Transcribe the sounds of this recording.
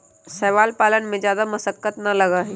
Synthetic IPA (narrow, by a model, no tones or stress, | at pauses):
sɛːʋaːlpaːlənmẽzjaːd̪amɐsəkːət̪nɐlɐɡaɦɛ